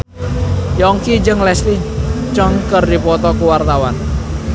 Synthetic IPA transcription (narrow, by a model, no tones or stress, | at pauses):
jɔŋkid͡ʒəŋlɛslit͡ʃɔŋkərdipɔt̪ɔkuwart̪awan